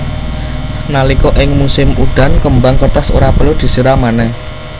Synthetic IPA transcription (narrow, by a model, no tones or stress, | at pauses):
nalikɔʔɪŋmusɪmuɖ̪̥a̤nkəmbaŋkərt̪aso̰ɾapəlod̪̥i̤səɾamanɛh